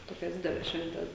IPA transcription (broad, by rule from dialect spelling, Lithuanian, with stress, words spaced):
ˈtoːkʲɛs ˈdʲɪdʲɛlʲɛs ˈʃʲʋʲɛnʲtʲɛs